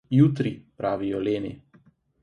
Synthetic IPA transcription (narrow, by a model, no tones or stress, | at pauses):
jut̪ɾipɾʔaːʋijɔleːnḭ